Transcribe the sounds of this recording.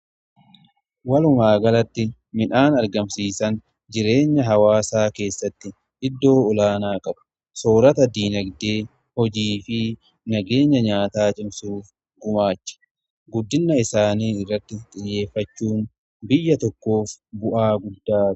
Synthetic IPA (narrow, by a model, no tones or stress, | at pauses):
wɐlʊmaːɡɐlɐt̪ːɪ | mɪnʔaːnɐɾɡɐmsiːsɐn | d͡ʒɪɾe̞ːɲːɐɦɐwaːsaːke̞ːsːɐt̪ːɪ | ʔɪd̪ːo̞ːɔlaːnaːkʼɐbɐ̥ | soːɾɐt̪ɐd̪iːnɐɡd̪eː | hɔd͡ʒiːfɪ | nɐɡe̞ːɲːɐɲaːt̪aːt͡ʃʼɪmsuːf | ɡʊmaːt͡ʃːɐ̥ | ɡʊd̪ːɪnːɐɪsaːniːɪrːɐt̪ːɪt̪ʼɪjːe̞ːfːɐt͡ʃːuːn | bɪjːɐt̪ɔkːo̞ːfbʊʔaːɡʊd̪ːaː